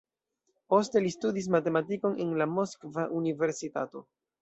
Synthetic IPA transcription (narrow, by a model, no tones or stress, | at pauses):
po̞ste̞listudis̬mate̞matiko̞ne̞nlamo̞skvaʔunive̞ɾsita̰to̞̰